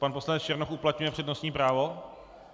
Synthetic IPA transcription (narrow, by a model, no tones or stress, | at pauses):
panpo̞slanɛt͡st͡ʃɛɾnoxʔuplat̪ɲujɛpr̥ɛdno̞sɲiːpɾaːvo̞